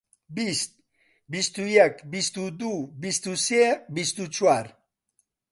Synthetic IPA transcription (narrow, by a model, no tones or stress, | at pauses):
bist̪̚ | bist̪ujakbist̪ud̪ubist̪usebist̪ut͡ʃwaɾ